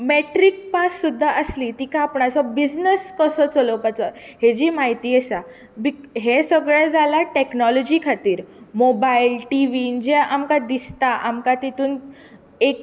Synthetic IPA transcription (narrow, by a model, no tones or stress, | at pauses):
meʈɾik̚pasːud̪ʱːaʔəsliːt̪ikaːpɳasɔbid͡ʑnəskəsət͡sələpat͡sɔ | ɦed͡ʑiːmaɦit̪iːesa | biɦesəɡɭɛd͡zʱalaʈeknɔlɔd͡ʑikʰat̪iːɾmobailʈiʋind͡ʑeʔamkad̪ist̪aʔamkat̪it̪uːn | ek